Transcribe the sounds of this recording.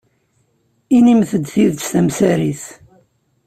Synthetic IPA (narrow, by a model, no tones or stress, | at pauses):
inimθəd̪ːθiðθæmsæɾiθ